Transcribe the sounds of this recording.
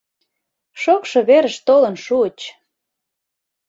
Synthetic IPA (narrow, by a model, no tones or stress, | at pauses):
ʃokʃɤ̆βeɾəʃt̪olə̆nʃuət͡ɕ